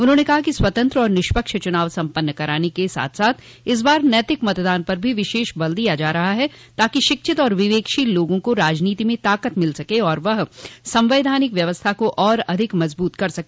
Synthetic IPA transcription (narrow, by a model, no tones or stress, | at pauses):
ʊnɦõːnekɐɦakiswɐt̪ə̃nt̪ɾɔːɾnɪʃpəkʃət͡ʃʊnaːʋsɐ̃mpənːəkɐɾaːnekesa̰ːt̪ʰsaːt̪ʰ | ɪs̬baːɾnɛːt̪ɪkmɐt̪d̪aːnpɐɾbʱiʋɪʃeːʃbɐld̪ijad͡ʒaːɾɐɦaɦɛ | t̪aːkiʃɪkʃʰɪt̪ɔːɾʋɪʋeːkʃiloːɡõkoɾaːd͡ʒniːt̪imẽt̪aːkət̪mɪlsɐkeɔːɾʋɐɦsɐ̃mʋeːd̪ʱaːnɪkʋjɐʋəst̪ʰakoʔɔːɾɐd̪ʱɪkmɐzbuːt̪kɐɾsɐke